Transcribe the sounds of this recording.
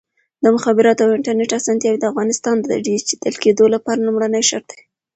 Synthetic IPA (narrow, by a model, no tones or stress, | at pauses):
d̪əmʊxɑbɪɾɑt̪oawɪɳʈaɾneʈasɑnt̪jɑwid̪əafɣɑnɪst̪ɑnd̪əd̪a̰ɖizt͡ʃe̥d̪əlked̪olapɑɾalumɽanəjʃa̰ɾ̚d̪e̥